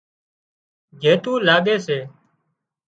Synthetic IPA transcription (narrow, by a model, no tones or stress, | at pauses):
d͡ʒʱeːt̪ũːlaːɠeːseː